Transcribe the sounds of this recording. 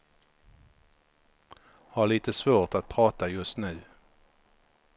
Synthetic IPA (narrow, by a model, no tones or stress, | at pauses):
hɑːʁliːt̪əsʋoːʁt̪ɑt̪̚pʰʁɑːt̪ɑjʉsnʉː